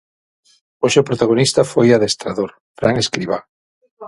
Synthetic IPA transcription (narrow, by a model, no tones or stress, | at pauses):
oʃeʊpɾot̪aɣonist̪ɐfojaðest̪ɾaðoɾ | fɾaŋeskɾiβa